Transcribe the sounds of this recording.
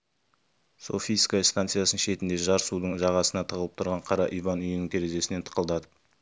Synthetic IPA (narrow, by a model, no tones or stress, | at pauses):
so̞̰fʲijskaist̪ant̪sɨjasənʃe̞t̪ɪnd̪e̞ʒɑɾsud̪əɴʒɑʁɑsənɑt̪ʰəʁəlˠəp̚t̪ʰʊɾʁɑɴqʰɑɾɑʔijbɑnʏjɪnɪŋkʲʰe̞ɾe̞ʒe̞sɪne̞t̪ʰə̥qəlˠd̪ɑt̪əp